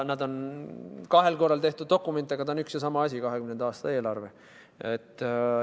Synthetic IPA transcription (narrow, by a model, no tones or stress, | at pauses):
nɑd̪o̞n | kɑɦe̞lko̞rːˑɑlt̪e̞ht̪ud̪̥̚o̞kːˑume̞nt̪ˑːɑɡɑt̪ɑonyksjɑsɑmɑɑsʲikɑɦekymnend̪ɑːst̪ɑe̞ːlɑrve̞ | et̪ː